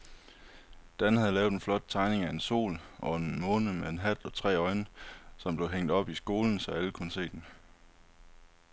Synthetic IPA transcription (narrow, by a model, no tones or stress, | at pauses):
d̥ænhæðˠlɛːʊ̥enflɒ̽d̥̚t͡sʰɑ̈ɪne̝ŋæe̝nso̝̰ːlʔɒ̽enmɔ̽ːnəmeenɦæd̥ɒ̽t͡sʰʁɛ̰ːɒ̽ɪnəsɒ̽mb̥le̝ʊɦeŋ̰d̥ɒ̽b̥isɡ̥o̝ːln̩sɒ̽æləkʰunəse̝̰ːd̥en